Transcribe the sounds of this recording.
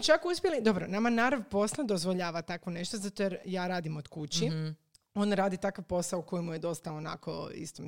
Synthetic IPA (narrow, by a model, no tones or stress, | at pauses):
t͡ʃakuspʲjelid̪o̞bɾonamanaɾaʋpo̞slˠad̪ozʋoʎaːʋat̪akʋone̞ʃt̪ozat̪ojeɾjaːɾaːd̪imod̪̥kut͡ɕi | o̞nɾaːd̪it̪akaʋpo̞saouko̞jimuje̞d̪o̞st̪aona̰ko̰ḭst̪om